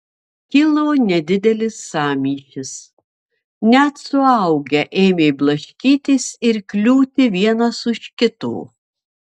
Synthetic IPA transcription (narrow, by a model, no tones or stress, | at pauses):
kʲɪlˠoːnʲɛd̪ʲɪd̪ʲɛlʲɪsːɑːmʲiːʃʲɪs | nʲɛt̪sʊɐʊɡʲɛʔeːmʲeːblˠɐʃʲkʲiːt̪ʲesɪɾkʲlʲuːt̪ʲɪʋʲiɛnɐsʊʃkʲɪt̪ṵː